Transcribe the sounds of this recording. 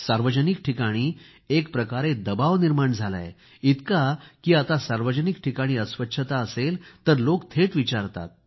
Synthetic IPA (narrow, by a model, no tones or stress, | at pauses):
saɾʋəd͡ʑənikʈʰikaɽ̃iː | ekpɾəkaɾed̪əbaʋniɾmaɳd͡zʱala̰j̰ | it̪kakiːat̪asaɾʋəd͡ʑənikʈʰikaɽ̃iːəsʋətːɕʰət̪aəselt̪əɾlokt̪ʰeʈʋit͡ɕaɾt̪a̰t̪̚